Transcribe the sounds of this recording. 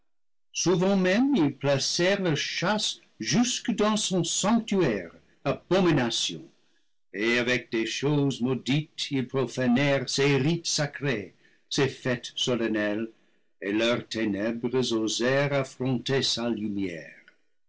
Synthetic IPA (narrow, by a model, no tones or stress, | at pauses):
suvɑ̃mɛ̃milplasɛʁlaʃas | ʒyskədɑ̃sɔ̃sɑ̃ŋk̚t̪yɛʁ | ab̥ominasjɔ̰̃ | eavɛk̚d̥̪eʃozmoditilpʁofanɛʁseʁitsakɾe | sefɛt̪sɔlanɛl | elœʁt̪ʰenɛbʁəzozɛʁafʁɔ̃t̪esalymjɛ̰ʁ